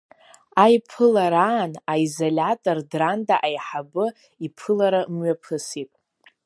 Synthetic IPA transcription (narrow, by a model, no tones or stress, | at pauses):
ajpʰɨlaɾaːnaizolʲatʼordrandaʔajħabɨ | ipʰɨlaɾamɥapʰɨsitʼ